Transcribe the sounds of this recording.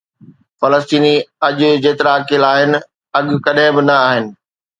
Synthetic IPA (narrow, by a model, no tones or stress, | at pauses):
fɐləst̪iːniɐʄʊ̆d͡ʑeːt̪ɪɾaːkɪlaːɦɪnɪ̆ | ɐɠkɐɗẽbɪnɐaːɦɪnɪ̆